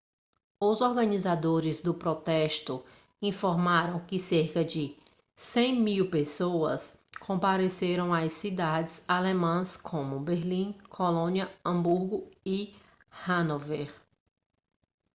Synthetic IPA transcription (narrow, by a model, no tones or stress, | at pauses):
ʊzɔɾɡɐ̃nizad̪oɾɪzd̪ʊpɾɔt̪ɛʃt̪ʊ | ĩfoɾmaɾɐ̃w̃kɪseɾkɐd͡ʒɪ | sẽj̃miwpesoɐs | kʰõmpaɾeseɾɐ̃w̃ajsid̪ad͡ʒɪzalemɐ̃skʰõmʊbeɾlĩkʰolõniɐɐ̃buɾɡʊi | hɐ̃noveɾ